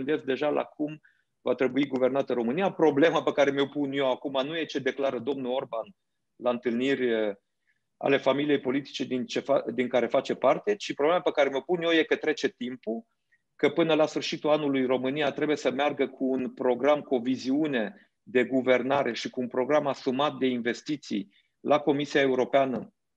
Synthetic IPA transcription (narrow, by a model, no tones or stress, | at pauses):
ɨnd̪ez̚d̪e̞ʒalʔa̰kum | vat̪ɾe̞buiɡuve̞rnat̪əɾo̞mɨnijapɾo̞ble̞mapekaɾe̞meopunjo̞akumanuje̞t͡ʃe̞d̪e̞klaɾəd̪o̞mnuo̞rban | laɨnt̪ɨlnirʲə | a̰le̞familije̞jpo̞lit̪i̥t͡ʃe̞d̪int͡ʃefad̪iŋkaɾe̞fat͡ʃe̞part̪e̞t͡ʃipɾoblemapekaɾe̞meopunjo̞je̞kət̪ɾe̞t͡ʃe̞t̪impu | kəpɨnəlasfɨrʃit̪ulanulujro̞mɨnijat̪ɾe̞buje̞səmearɡəkʰuːnpɾo̞ɡɾamkuo̞viziune̞ | d̪e̞ɡuve̞rnaɾʔe̞ʃikuːnpɾo̞ɡɾamasumat̪̚d̪e̞inve̞st̪it̪sḭj | lʔako̞misiae̞uɾo̞peanə